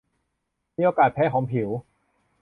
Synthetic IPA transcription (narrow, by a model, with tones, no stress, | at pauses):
miː˧˥ʔoː˧kaː˨˩t̪̚pʰɛː˧˦˥kʰɔː˩˦ŋpʰi˩˦w